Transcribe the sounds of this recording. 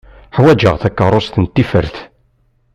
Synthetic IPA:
ħwæd͡ʒəʁθækːərˤːost̪ənt̪ːifə̰ɾθ

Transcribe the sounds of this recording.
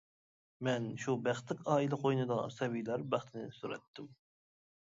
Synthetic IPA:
mɛnʃubæχt̪ɪkʲɑːilɛqʰojnɨd̪ɑsɛbijlæɾbæχt̪ʰɪnɪsuɾɛ̰t̪ʰːɪm

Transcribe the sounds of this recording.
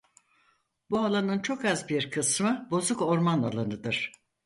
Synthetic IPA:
bualˠanɯnt͡ʃʰo̞kazbiɾkʰɯsmɯbo̞zuko̞ɾmana̰lˠanɯd̪ɯɾ̥

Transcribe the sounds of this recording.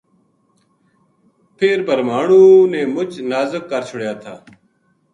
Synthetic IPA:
pʰeːɾbəɾmaːɳũːnẽːmʊt͡ʃnaːzəkːəɾt͡ʃʰʊɽjaːt̪ʰaː

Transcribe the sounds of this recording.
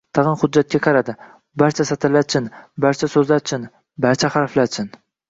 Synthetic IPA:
t̪ʰɑʁɨnχʊd͡ʒːat̪̚kʲakʰɑɾad̪ɪ | baɾt͡ʃʰasat̪ʰɪlaɾt͡ʃʰɪnbaɾt͡ʃʰasɵzlaɾt͡ʃʰɪn | baɾt͡ʃʰahaɾflaɾt͡ʃʰɪn

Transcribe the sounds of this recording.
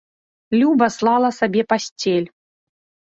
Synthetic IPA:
lʲubɐslˠɑlˠɐsabʲɛpasʲt͡sʲɛlʲ

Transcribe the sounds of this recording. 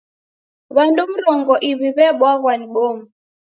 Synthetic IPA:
βandum̩ɾɔŋɡɔʔiβiβɛɓwaɣwaniɓɔmu

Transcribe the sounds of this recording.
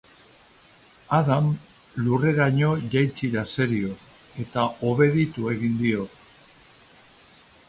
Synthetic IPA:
aðam | lure̞ɾaɲo̞ʝajt͡siɾase̞ɾio̞e̞t̪ao̞βe̞ðit̪ue̞ɣind̪io̞

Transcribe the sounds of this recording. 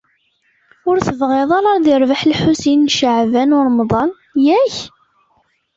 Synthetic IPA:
ʊɾθəvʁeðˤɑɾˤɑɾˤðɪɾˤvaħlħusinːʃəʕvænʊɾˤəmðˤɑn | jæç

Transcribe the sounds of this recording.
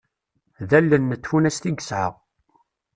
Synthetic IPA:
ðælːənːət̪ːfunæst̪iɡəsʕə̰ʁ

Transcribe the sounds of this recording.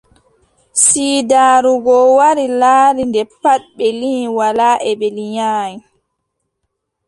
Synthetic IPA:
siːdaːɾuɡɔwaɾilaːɾindɛpaɗ̚ɓɛlinwalaːʔɛɓɛliɲaːji

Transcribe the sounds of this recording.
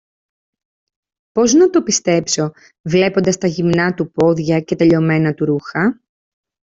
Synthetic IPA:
po̞znɐt̪o̞pist̪e̞pso̞ | vle̞po̞nd̪ɐst̪ɐʝimnɐt̪upo̞ðʝɐce̞t̪eʎo̞me̞nɐt̪uɾuxɐ

